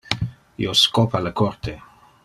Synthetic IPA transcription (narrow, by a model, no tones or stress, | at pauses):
ḭoskopalakort̪ʰe